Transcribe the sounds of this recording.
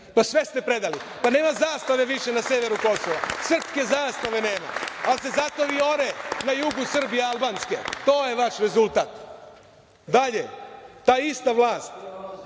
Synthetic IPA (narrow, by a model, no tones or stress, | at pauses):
pasʋe̞st̪epɾe̞d̪ali | pane̞ːmazaːst̪aʋe̞ʋiʃenase̞ʋeɾuko̞soʋasr̩pske̞zaːst̪aʋe̞ne̞ːma̰als̬e̞zat̪o̞ʋiːo̞ɾenajuɡusr̩bijealˠbansket̪o̞ːjeʋaʃɾe̞zulˠt̪aːt̪ | d̪aʎet̪aːist̪aʋlaːst̪